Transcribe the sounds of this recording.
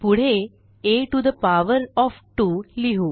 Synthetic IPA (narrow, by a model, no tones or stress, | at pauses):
puɽ̤e | eʈud̪əpaʋəɾɔfʈuliɦuː